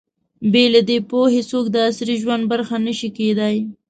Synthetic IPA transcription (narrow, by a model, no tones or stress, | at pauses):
belad̪epohesok̚d̪əasɾiʒwand̪̚baɾxanəʃiked̪aj